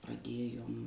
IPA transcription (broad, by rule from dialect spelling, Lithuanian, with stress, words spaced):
prɐˈdʲeːjoːm